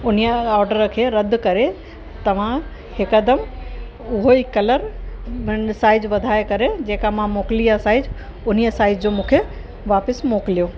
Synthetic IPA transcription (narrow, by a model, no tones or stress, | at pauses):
ʊn̤ijəɔːɾɖəɾə̆kʰeːɾɐd̪kɐɾe | t̪ɐʋ̤ã | hɪkəd̪əm | ʊɦoikɐləɾ | saːɪd͡ʑʋɐd̪ʱaːekɐɾed͡ʑeːkamãmoːklijasaːɪd͡ʑ | ʊn̤ijəsaːɪd͡ʑd͡ʑoːmũːkʰe | ʋaːpɪsmoːkɪlijoː